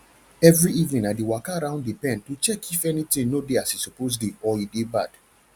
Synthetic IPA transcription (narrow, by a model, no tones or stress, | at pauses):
ɛvɹiivnĩnadiwakaaɹãʊ̃ndipɛ̃ntut͡ʃɛkʰifɛnitĩnnodeasisɔpozdiɔidebad̥